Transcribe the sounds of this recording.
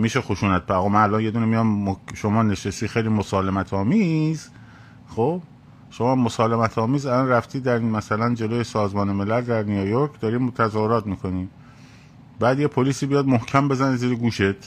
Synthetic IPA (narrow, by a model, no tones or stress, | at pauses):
miːʃexoʃuːnæt̪̚pʰæɣɔːmænælɒːnje̞d̪uːnemijɒmːoʃomɒːneʃesiːxejliːmosɒːlemæt̪ʰɒːmiːz | χoːb | ʃomɒːmːosɒːle̞mæt̪ʰɒːmiːzælɒːnræft̪iːd̪æɾmæsælænd͡ʒe̞loːjesɒːzmɒːneme̞læld̪æɾnijojoɾkʰd̪ɒːɾiːt̪ʰæzɒːhoɾɒːt̪miːkʰo̞niː | bæːd̪jepʰoliːsiːbijɒːd̪mohkʰæmbe̞zæneziːɾeɡuːʃet̪